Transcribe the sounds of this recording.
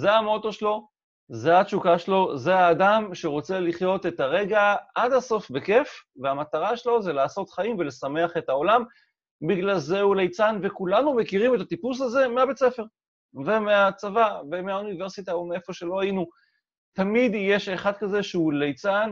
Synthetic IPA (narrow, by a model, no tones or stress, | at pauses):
zeamo̞to̞ʃelo̞ | zeat͡ʃukaʃelo̞ze̞aːdamʃe̞ʁo̞t͡se̞liχjo̞t̪etaʁe̞ɡaad̪aso̞fbe̞ke̞fveamat̪aʁaʃelo̞zelaːso̞t̪χaimve̞le̞same̞aχe̞t̪ao̞lam | biɡlalze̞ulejt͡sanve̞kulanumekiʁime̞t̪at̪ipus̬aze̞meabe̞t͡sefe̞ʁ | ve̞meat͡savavemeaunive̞ʁsit̪aomeefo̞ʃe̞lo̞ajinu | tamid̪jeʃe̞χad̪̚kaze̞ʃeulejt͡san